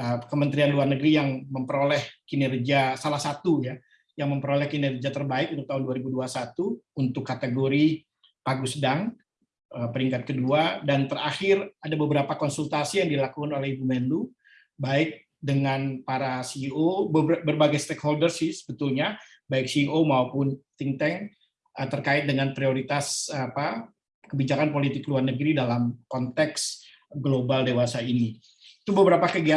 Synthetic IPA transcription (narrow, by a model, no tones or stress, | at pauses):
əkəmənt̪ɾianluarnəɡɾijaŋməmpəɾolɛhkinɛrd͡ʒasalahsat̪uja | jaŋməmpəɾolɛhkinɛrd͡ʒat̪ərbaɪkunt̪ʊut̪aɦʊnduaɾibuduasat̪uːnt̪ʊkːat̪əɡoɾi | paɡusədaŋ | əpəɾiŋkat̪̚kəduadant̪əraxɪradabəbəɾapakɔnsult̪asijaŋdilakukanolɛhibumɛnlu | baɪk̚ | dəŋanpaɾasiːobəbərbaɡajst̪ekholdərsɪhsə̥bət̪ulɲa | baɪk̚siːomaupʊnt̪iŋt̪ɛŋ | ʔət̪ərkaɪt̪̚dəŋanpɾioɾit̪asapa | kəbid͡ʒakanpolit̪ɪkluarnəɡɾidalamkɔnt̪ɛks | ɡlobaldewasaini | it̪ubəbəɾapakəɡia